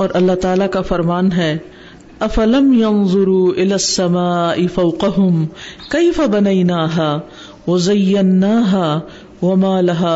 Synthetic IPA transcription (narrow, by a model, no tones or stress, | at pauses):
ɔːɾʔɐlːat̪aːlakafɐɾmaːnɦɛː | ɐfɐlɐmjɐnðˤʊɾuːʔɪlaːsːɐmaːʔɪfɐwqɐɦʊmkejfɐbɐnɐjnaːɦaː | wɐzɐjːɐnːaːɦaː | wɐmaːlɐɦaː